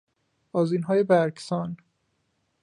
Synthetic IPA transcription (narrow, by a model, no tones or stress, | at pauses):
bɒːziːnɦɒːjebæɾksɒːn